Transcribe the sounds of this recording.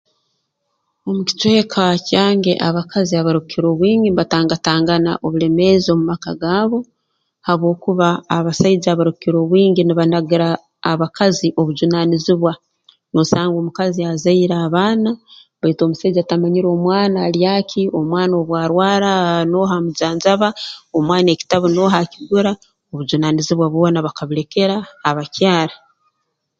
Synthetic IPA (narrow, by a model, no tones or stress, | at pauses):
o̞muci̥twe̞ːkʰacaːŋɡe̞̰ʔaβakaziaβaɾukiɾo̞βwiːɲɡinβataːŋɡataːŋɡana̰ʔoβuɾe̞me̞zo̞mumakaɡaːβo̞ | haβwo̞ːkuβaːβasaizaβaɾukiɾo̞βwiːŋɡiniβanaɡiɾaː | βakʰaziʔo̞βuɟunaniziβwa | nosaːŋɡoːmukaziazaiɾaːβaːna | βaito̞ːmusaid͡ʒaːtamaɲiɾo̞ːmwaːnalijakʰio̞mwaːno̞ːβwaːɾwaːɾano̞ːɦamuɟaːnzaβaomwaːne̞ːci̥taβono̞ːɦaciɡuɾa | oβuɟunaniziβwaβwo̞ːnaβakaβiɾe̞ke̞ɾaːβacjaːɾa